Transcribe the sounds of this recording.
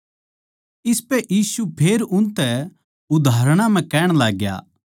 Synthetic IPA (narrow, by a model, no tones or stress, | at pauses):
ɪspɛjiːsupʰeːɾʊnt̪ɛ | ʊd̪ʱaːɾɽ̃ãm̤ɛ̃kɛːɽ̃laːɡja̰ː